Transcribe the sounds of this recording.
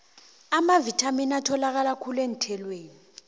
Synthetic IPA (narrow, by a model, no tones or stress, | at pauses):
amavitʰaminatʰɔlak̬alakʰulen̩tʰɛlweːni